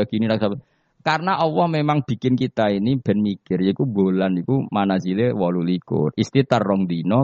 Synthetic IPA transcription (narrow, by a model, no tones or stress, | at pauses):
aɡ̥iniɾaksap | karnaʔɔwɔhmemaŋb̥i̤kɪnkit̪ainib̥ɛ̤nmikɪrikubo̤lanikumanasilewɔlulikʊ̰t̪ist̪it̪ərːɔŋd̪inɔ